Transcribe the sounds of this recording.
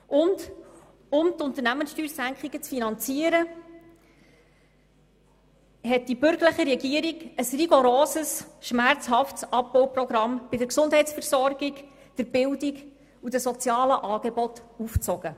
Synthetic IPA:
ʔʊnd | ʊmt̪ʊnt̪əɾnæmənsʃtyːrsæŋkχiɡ̥ət͡sfinɑnt͡siəɾə | hɛt̚d̥ibʏɾɡəɾləχiɾɛɡiəɾiɡəsriɡoɾoːsəsʃmæɾt͡shɑftsɑpːɔwprɔɡɾɑmb̥ɪdəɾksʊnd̥ɦɛɪtt͡sfɛɾsɔɾɡ̥ik | d̥əɾb̥ɪldiɡ | udəsɔt͡sjɑːləʔɑːɡ̥ebɔtuft͡sɔɡə

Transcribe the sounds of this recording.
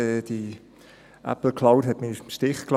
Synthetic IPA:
ɛːd̥i | ʔæ̰pl̩kʰlawdɦɛtmimʃtɪχkl

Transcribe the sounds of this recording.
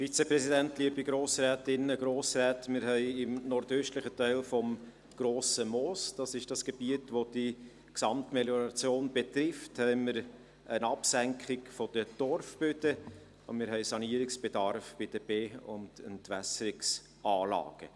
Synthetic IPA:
fit͡səpɾɛsidæntliəbiɡɾoːsɾɛːtɪnːəɡɾoːsɾɛːtmɪɾɦɛɪɪmnɔɾdøːʃtləχətæɪlfɔm | ɡ̥ɾoːsəmɔːsd̥ɑsɪʃd̥ɑsɡ̥eb̥iətʋod̥i | ksɑmtmeljɔɾɑt͡sjoːnbet̪ɾɪfthɛɪməɾ | ənɑpsæŋkʰχɪkfɔd̥əd̥ɔrfb̥øtə | ʊ̰nmɪɾɦɛɪsɑniəɾɪksb̥edɑɾfb̥ɪd̥əbeːʊ̰ndə̰ntvæsəɾɪks | ɑːlɑ̰ːɡ̥ə

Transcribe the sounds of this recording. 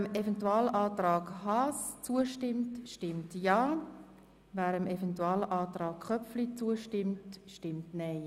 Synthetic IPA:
mevɛntuɑːlʔɑːtɾɑːkhɑst͡suəʃtɪmtʃtɪmtjɑː | væːɾəmʔɛfɛntuɑːlʔaːtɾɑːkχœpflit͡suəʃtɪmtʃtɪmtnɛɪ

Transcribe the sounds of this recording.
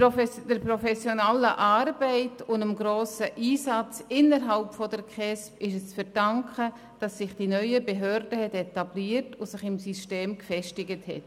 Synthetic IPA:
d̥əɾpɾɔfɛsjɔnaləʔɑːrb̥ɛɪtʊndamɡɾoːsəʔiːsɑt͡sɪnəɾɦɑlpfɔdəɾkχɛspɪʃəst͡sfɛɾd̥ɑŋkχə | d̥ɑsːɪχd̥inœʏəbeɦøːɾdəhɛtɛtɑbliːtʊsɪχɪmsysteːmkfɛʃtɪɡəthɛ̰t

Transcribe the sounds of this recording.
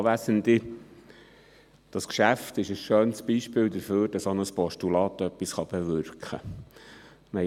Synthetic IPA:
ʋæsənd̪ɪ | d̥ɑskʃæft̪ɪʃəsʃøːnsb̥iːʃpɪːld̪əɾføːɾd̥ɑsonəspɔʃtulɑːt̪œpːisχɑb̥ɛʋʏɾkχə̰ | mɛ

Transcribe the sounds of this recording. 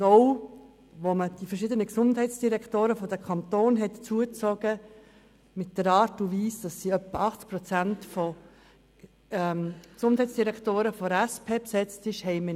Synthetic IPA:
oʊ | ʋoməd̥ifəɾʃɪd̪ənəksʊndɦɛɪt͡sd̥iɾɛktoːɾəfɔdəkʰɑnt̪oːnɦɛt̪t͡suət͡sɔɡ̥ə | mɪt̚d̥əɾɑːɾtuʋiːsd̥ɑsːiœpːəɑχt͡sk̚pɾɔt͡sæntfo | ɛmksʊnd̥ɦɛɪtt͡sd̥iɾɛktoːɾəfɔɾæspʰeːpsɛt͡stɪʃhɛɪmə

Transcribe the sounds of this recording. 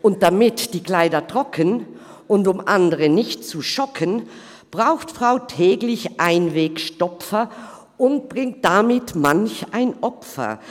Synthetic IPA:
ʔʊnt̚d̥amɪtd̥iːkl̥aɪdɐtʁ̥ɔkʰən | ʊntʊmʔa̰ndəʁənɪçtt͡suʃɔkʰən | b̥ʁaʊxtfʁ̥aʊtʰɛːɡlɪçʔaɪnveːkʃtɔpfɐ | ʔʊnt̚b̥ʁɪŋt̚d̥amɪtmançaɪnʔɔpfɐ̰

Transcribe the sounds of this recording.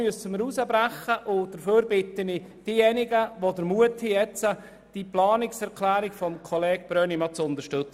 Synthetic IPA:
yəsəməɾusəbɾæχəʔʊd̥əɾføːɾbɪt̪ənɪd̥iːjɛnɪɡəʋodəɾmuətʰhijɛt͡sə | d̥iplɑːnɪksɛɾkʰlæːɾɪkfɔmkʰɔleːɡ̥̚b̥ɾœːnimɑt͡sʊnt̪əɾʃtʏt͡s

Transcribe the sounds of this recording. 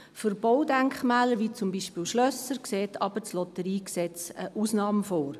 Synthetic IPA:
fyɾb̥ɔwdæŋkχmæːləɾʋiːt͡sʊmbiʃpiːlʃlœsəɾkseːtʰɑb̥ət͡slɔtəɾiːksɛt͡səʔuːsnɑːməfoːɾ

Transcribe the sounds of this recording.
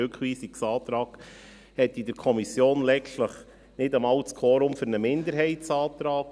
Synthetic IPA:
økχʋiːsiksɑːt̪ɾɑːɡ̥ | hɛt̪ːid̥əɾkʰɔmisjoːnlɛʃtləχ | nɪdəmɑltskʰoːɾʊmfɵɾnəmɪnd̪əɾɦɛɪtsɑːt̪ɾɑːk

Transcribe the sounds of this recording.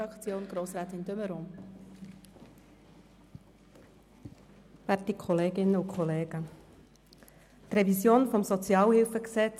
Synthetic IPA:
ɑkt͡sjoːnɡ̥ɾoːsɾæːt̪ɪndøməɾom | v̥æːtikʰχɔleːɡɪnːəukʰχɔleːɡə | t̪rɛvisjoːnfɔmsɔt͡sjɑːlhɪlfəksɛt͡s

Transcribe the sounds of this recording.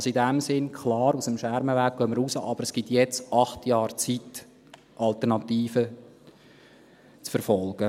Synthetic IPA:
ɑsoidæmsɪnkʰχlɑːɾusəmʃæɾməʋæːɡ̚ɡœmːəɾusəʔɑb̥əɾɛsɡ̥itjɛt͡sɑχtjɑːɾt͡sit | ʔɑlt̪əɾnɑt̪iːfə | t͡sfəɾfɔlɡ̥ə

